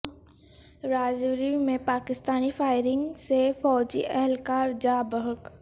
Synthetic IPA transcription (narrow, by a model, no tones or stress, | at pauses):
ɾaːd͡ʒɾimẽpaːkɪst̪aːnifaːɪɾɪ̃ŋɡsefɔːd͡ʒḭʔɛɦlkaːɾd͡ʒaːbəɦək